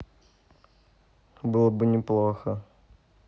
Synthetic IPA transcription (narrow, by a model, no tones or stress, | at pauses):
bɨlˠəbɨnʲɪplˠoxə